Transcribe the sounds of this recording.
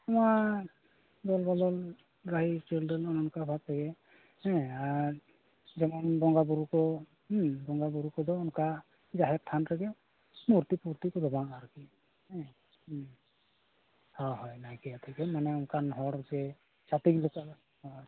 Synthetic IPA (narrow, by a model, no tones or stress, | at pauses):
t̪ɔma | d̪ɔlbɔlɔl | ɾaɦit͡ʃeldɔlɔnɔnɔkabʱat̪̚ɾaɡɛ | hɛ̃aɾ | d͡ʒɛmanbɔŋɡabuɾukɔ | bɔŋɡabuɾukɔd̪ɔɔnka | d͡ʒaɦɛtʰanɾaɡɛ | muɾt̪ipuɾt̪ikɔd̪ɔbaaɾki | ɛ | hawɦɔjnajkɛat̪ʰikɛmanɛɔnkanɦɔɾzɛ | sat̪iɡluka | ɔ